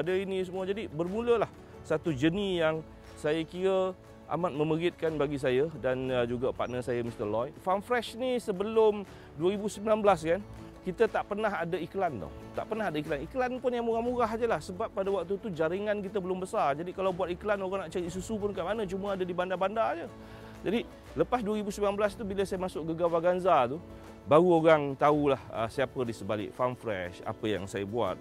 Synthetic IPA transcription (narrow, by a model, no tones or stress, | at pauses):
adainĩsəmuad͡ʒadibərmuləlah | sat̪ud͡ʒənijaŋ | sajakiɾə | ʔa̰mat̪̚mə̃məɡɪt̪̚kanbaɡis̬ajədand͡ʒuɡapa̰ʔ̪̚nəsajəmist̪əlɔjfanfɾɛʃnisəbəlʊm | duəɾibusəmbilanbəlaskankit̪ət̪aʔpərnaɦadaiklant̪ɔ̰t̪a̰ʔpərnaɦadaiklaniklanpʊnjaŋoɣaŋmuɣaɦd͡ʒəlahsəbapːadawak̚t̪ut̪ud͡ʒaɾiŋankit̪əbəlʊmbəsard͡ʒadikalawbuat̪̚iklanoɣaŋnaʔt͡ʃaɾisusup̬ʊnkaʔmanə̃t͡ʃuməadadibandabandad͡ʒə | d͡ʒadi | ləpas̬duəɾibusəmbilanbəlast̪ubiləsajamasʊk̚ɡəɡawaɡanzat̪u | baɣuoɾaŋt̪aulahə̰siapədisəbalɪ̰ʔfanfɾɛ̰ʃa̰pəja̰ŋsajə̰bua̰t̪̚